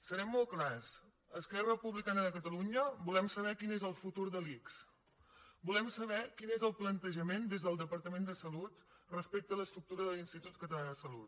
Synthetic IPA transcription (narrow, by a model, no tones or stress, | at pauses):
səɾɛmːɔlˠklas | əskɛrəpuβlikanəðəkət̪əluɲəbulɛmsəβ̞ɛkinezəlˠfut̪uɾðəliks | bulɛmsəβɛkinezəlˠplənt̪əʒəmend̪ezðəlˠd̪əpəɾt̪əmend̪əsəlut̪rəspek̚t̪ələst̪ɾuk̚t̪uɾəðəlinst̪it̪ut̪̚kət̪əlaəsəlut̪̚